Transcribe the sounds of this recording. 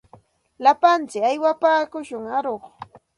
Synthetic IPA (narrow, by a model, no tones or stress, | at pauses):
lapant͡sɪkajwapaːkʊʃʊŋaɾoχ